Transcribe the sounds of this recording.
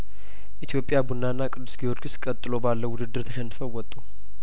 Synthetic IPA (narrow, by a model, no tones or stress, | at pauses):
ʔit̪ʰjo̞pʼːjabunːanːakʼɨd̪ːu̥sɡijoɾɡuskʼət̪ʼːɨlo̞balːəwʊd̪ɨd̪ːɨɾt̪ʰəʃɛnːɨfəwɔt̪ʼːu